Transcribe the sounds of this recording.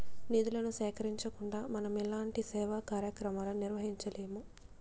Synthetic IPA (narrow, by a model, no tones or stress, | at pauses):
nid̪ulɐnusɛːkɐɾiɲt͡ʃɐkuɳɖaːmɐnɐmɛlaːɳʈisɛːʋakaːɾjɐkɾɐmaːlɐniɾʋɐɦiɲt͡ʃɐleːmu